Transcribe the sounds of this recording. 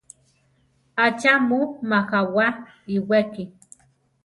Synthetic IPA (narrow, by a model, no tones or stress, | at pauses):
at͡ʃamumaxawa | iweki